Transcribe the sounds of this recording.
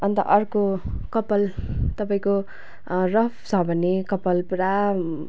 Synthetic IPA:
ʌnt̪ʌ̰ʔʌrkokʌpʌlt̪ʌpaĩko | rʌpʰt͡sʰʌbʱʌnːekʌpʌlpuɾa

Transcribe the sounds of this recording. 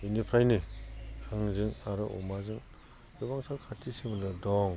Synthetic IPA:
inipʰɾajnihɯŋzɯŋaɾɯʔṵmazɯŋ | jubaŋsaɾkʰatʰisimɯndɯdɔŋ

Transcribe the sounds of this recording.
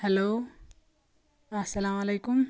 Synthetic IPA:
hɐloː | ɐsɐlaːmɐlejkʊm

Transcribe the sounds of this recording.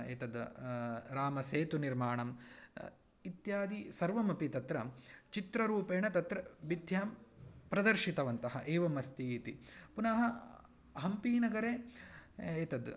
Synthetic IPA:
ḛːt̪ɐd̪ | ɾaːmɐseːt̪uniɾmaːɳɐm | it̪jaːd̪isɐɾʋɐmɐpit̪ɐt̪ɾɐt͡ʃit̪ɾɐɾuːpeːɳɐt̪ɐt̪ɾɐbid̪ʱjɐɐmpɾɐd̪ɐɾʃit̪ɐʋɐnt̪ɐɦɐʔeːʋɐmɐst̪iːt̪ipunɐɦɐ | ɦɐmpiːnɐɡɐɾeː | eːt̪ɐd̪

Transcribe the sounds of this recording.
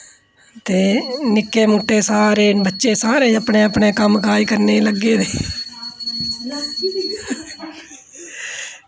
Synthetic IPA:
t̪eːnɪkːeːmuːʈːeːsaːɾeːbətːʃeːsaːɾeːəpɳeːəpɳeːkəmkaːikəɾneːləɡːeːneː

